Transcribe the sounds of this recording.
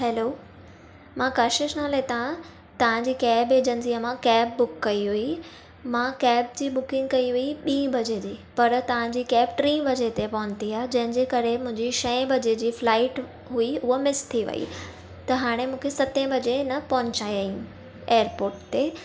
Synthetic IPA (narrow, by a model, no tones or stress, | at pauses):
ɦɛːloː | mãkaːʃɪʃnalːet̪ã | t̪ɐʋ̤ãd͡ʑiːkɛːbed͡ʑə̃nsiɐ̃mãkɛːbːʊkːɐiɦui | mãkɛːb̚d͡ʑiːɓʊkɪ̃ŋɡ̚kɐiʋɐiɓĩːbʱɐd͡ʑed͡ʑiːpɐɾt̪ɐʋ̤ãd͡ʑiːkɛːbʈɾĩːbʱɐd͡ʑet̪epɐɦʊ̃ɲt̪iaːed͡ʑɐ̃ɦɪ̃ɲd͡ʑeːkɐɾemʊ̃ɦɪ̃ɲd͡ʑiʃɐ̃ẽbʱɐd͡ʑed͡ʑiːflaːɪʈ | ɦuiʊɦomɪst̪ʰiʋɐ̰ḭ | t̪ɐɦaːɽ̃emũːkʰesɐt̪ẽbʱɐd͡ʑenɐpɐɦʊ̃ɲt͡ɕaːiɐiũ | eːəɾpoːɾʈt̪eː